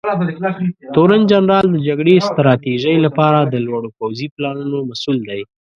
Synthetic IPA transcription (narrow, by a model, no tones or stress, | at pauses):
t̪oɾand͡ʒanɾɑld̪əd͡ʒaɡɽest̪ɾɑt̪iʒəjlapɑɾad̪əlwɑɽopawziplɑnunomasuld̪aj